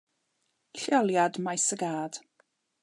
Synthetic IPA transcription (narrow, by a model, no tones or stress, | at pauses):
ɬjɔlˠjadmajsəɡaːd̥